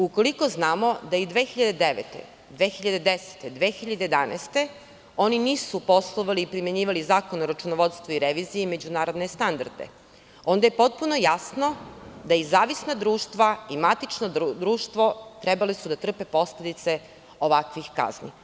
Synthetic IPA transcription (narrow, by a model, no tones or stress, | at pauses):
uko̞liko̞znaːmo̞d̪aid̪ʋe̞ːxiʎad̪ed̪eʋḛt̪ḛ | d̪ʋexiʎad̪ed̪ese̥t̪ed̪ʋeːxiʎad̪ejed̪anḛst̪e | oniniːsupo̞slˠoʋaliːpɾime̞ɲiːʋalizaːkonoɾat͡ʃunoʋot̪st̪ʋoiɾeʋiːzijeme̞d͡ʑunaːɾo̞d̪ne̞st̪and̪a̰ɾd̪ḛ | o̞nd̪aje̞po̞t̪̚punojasno̞d̪aizaːʋisnad̪ɾuːʃt̪ʋaimat̪it͡ʃnod̪ɾuːʃt̪ʋo̞t̪ɾebalisud̪at̪r̩pe̞po̞sled̪it̪se̞ | oʋakʋixka̰znḭ